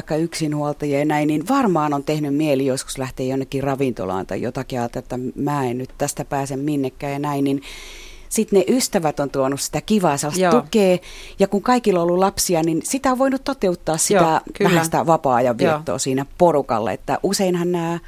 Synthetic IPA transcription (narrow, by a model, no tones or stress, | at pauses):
ikːɑyksinhuolt̪ɑjɑjɑnæinninʋɑrmɑːnont̪ehnymmielijosku̥slæht̪eːjonːekːirɑʋint̪o̰lɑ̰ːnt̪ɑ̰ijo̰t̪ɑkiɑlːt̪ɑet̪ːæmæːennyt̪t̪æst̪æpæːsemminːekːæːjɑnæinnin | sit̪neʔyst̪æʋæt̪ont̪uonussi̥t̪ækiʋɑːselɑst̪ukeːjɑkuŋkɑikilːoolːulɑpsiɑninsit̪æoʋʋoinut̪t̪ot̪eut̪ːɑːssit̪ææhænsit̪æʋɑpɑːjɑʋʋirt̪ːo̰ːsiːnæporukɑ̰lːɑ̰ḛt̪ːæʔuseinhɑnnæː